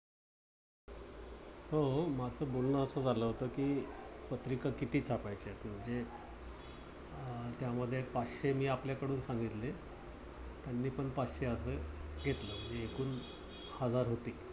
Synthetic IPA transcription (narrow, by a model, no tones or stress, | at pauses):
homat͡səːbolnəəsəːd͡zaləɦot̪əːkiːpət̪ɾikakit̪iːt͡sʰapajt͡ɕet̪m̤əɳd͡ze | t̪jaməd̪ʱːjepaɕemiːapljakəɽuːnsaŋɡit̪le | t̪janːiːpəɳpaɕeəsəːɡʱet̪ləmiekuːn | həd͡zaɾɦot̪iː